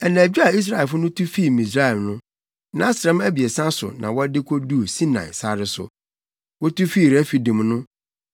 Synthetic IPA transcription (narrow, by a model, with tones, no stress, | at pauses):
ɛ˨nã˨æ˨d͡ʑᶣu˦a˨i˦s̬ɾa˦˨ɛ˨fʊ˦nʊ̃˦tʰu˦fiː˦˨mĩ˨s̬ɾa˦˨ɛ˨lnʊ̃˦ | nã̰˦sɾɛ̃˦mæ˦bi˨e˨sã˦sʊ̰˨nã̰˨wɔ˦dɪ˦kʷʰɔ˦du˦˨sĩ˦nã̰˨ɪ̰˨sa˦ɾɪ˦sʊ̰˨ | wɔ˦tu˦fiː˦˨ɾæ˦fi˨dũ˨mnʊ̃˦